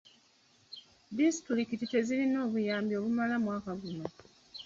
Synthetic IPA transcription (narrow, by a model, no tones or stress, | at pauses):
distuɾikitite̞zilino̞ːβujaːmbio̞ːβumalamwaːkaɡuma